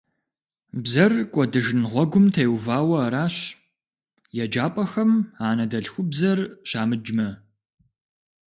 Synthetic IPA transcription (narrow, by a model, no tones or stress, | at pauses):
bzɐrkʷʼɔdɨʒɨnʁʷɔɡʷʊmtʰɐjwvaːwɐːɾaːɕ | jɛd͡ʒaːpʼɐxɐmaːnɐdɐɬxʷʊbzɐrɕaːmɨd͡ʒmɐ